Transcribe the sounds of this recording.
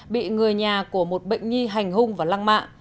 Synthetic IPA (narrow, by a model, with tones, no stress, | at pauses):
ɓḭ˧˨ŋɨ˨˩əjɲaː˨˩ku˧˩əmo˨˩t̚ɓə̰˧˨jŋ̟ŋi˧ɦa˨˩jŋ̟ɦʊ˧ŋ͡mvaː˨˩laː˧ŋma̰ː˧˨ŋ